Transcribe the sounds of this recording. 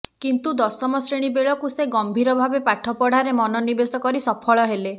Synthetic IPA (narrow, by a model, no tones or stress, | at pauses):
kint̪ud̪ɔsɔmɔsɾeɽ̃ibeɭɔkuseɡɔmbʱiɾɔbʱabepaʈʰɔpɔɽ̤aɾemɔnɔnibesɔkɔɾisɔpʰɔɭɔɦele